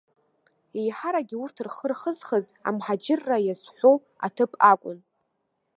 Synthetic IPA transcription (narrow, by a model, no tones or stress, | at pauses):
ejħaɾaɡʲiurtʰɨrχərχəzχəza̰mħad͡ʒɪrːajazħʷow | a̰tʰɨpʼʰakʷʼʊn